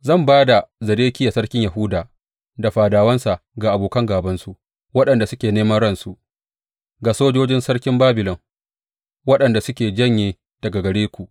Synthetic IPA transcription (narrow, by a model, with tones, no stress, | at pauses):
zɐ˦˨mbaː˦da˨zɐ˨ɾeː˦kʲɪ˦ja˨sɐ˦ɽkʲɪ˦ɲja˨ɦʊ˦daː˨ | da˨ɸaː˨daː˨wɐ˦nsa˨ʔɡa˨ʔa˨boː˨kɐ˦ŋɡaː˨bɐ˦nsu˦ʔ | wɐ˦ɗɐ˨nda˨sʊ˦kʲeː˨neː˦mɐ˦ɽɐ˦nsu˨ʔ | ɡa˨soː˦d͡ʒoː˦d͡ʒɪ˦nsɐ˦ɽkʲɪ˦mbaː˦bɪ˨lɔ˨ŋ | wɐ˦ɗɐ˨nda˨sʊ˦kʲeː˨d͡ʒɐ˦˨ɲjeː˨ | d̥ɐ˨ɡa˨ɡɐ˨ɽeː˦kʷu˨ʔ